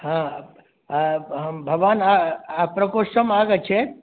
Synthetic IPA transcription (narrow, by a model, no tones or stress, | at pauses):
ɦã | bʱəɡʋaːnaːpɾəkoʃəmaɡət͡ʃʰe